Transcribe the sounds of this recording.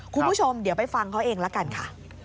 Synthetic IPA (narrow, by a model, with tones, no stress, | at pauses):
kʰu˧mpuː˦˥˩t͡ɕʰo˧mdi˨˦wpa˧jfa˧ŋkʰa˦˥wʔeː˧ŋla˦˥ka˧nkʰa˥˩